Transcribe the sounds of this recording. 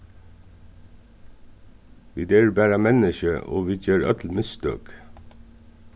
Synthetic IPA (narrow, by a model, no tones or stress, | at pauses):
ʋiːd̪eːɹbæːɾəmɛnəʃəʔo̰ːʋiːc͡çøːɾœ̰t̪ʰl̩mɪst̪ø̰ːk